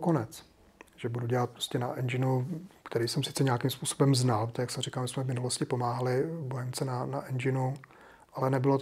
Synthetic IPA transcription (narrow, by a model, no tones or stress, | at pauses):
konɛt͡s | ʒ̥ɛbuduɟɛlat̪̚pɾoscɛnaʔɛnd͡ʒɪnukt̪ɛɾiːsɛmsɪ̥t͡sɛɲɛakimspuːsobɛmznalpt̪ɛjaksɛmr̝ikalmɪsmɛvmɪnuloscɪpo̞maːɦalɪbojɛmt͡sɛnanaʔɛnd͡ʒɪnu | ʔalɛnɛbɪlo